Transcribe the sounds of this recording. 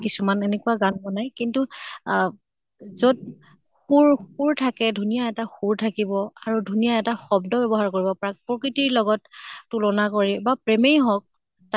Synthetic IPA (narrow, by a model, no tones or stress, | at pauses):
kisumanenekuaɡanbɔnajkintu | zod̚ | xuɹuɹtʰakɛdʱunijaɛtaxuɹtʰakibɔaɹudʱunijaɛtaxɔbdɔbɛbɔɦaɹkoɹibɔpɔɹak̚pɹɔkɹitiɹlɔɡɔtːulɔnakoɹɛbapɹemejɦɔk̚ | ta